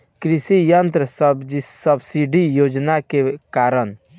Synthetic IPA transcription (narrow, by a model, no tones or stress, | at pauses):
kɾisijənt̪ɾəsəbsəbsiɖijoːd͡ʒnakekaɾən